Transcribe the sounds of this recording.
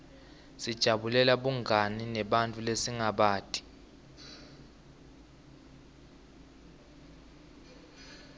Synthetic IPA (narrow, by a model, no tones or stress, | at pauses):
sid̥ʒ̥ʱaɓulɛlaɓuŋʱaninɛɓantʼulesiŋaɓaːtʼi̥